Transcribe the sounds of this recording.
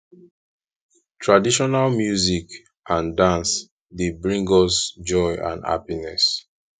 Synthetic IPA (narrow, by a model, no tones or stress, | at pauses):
tʰɹadiʃɔnalmjuzik | ʔãndãns | debɹĩŋɡɔsd͡ʒɔɪã̰nha̰pinɛs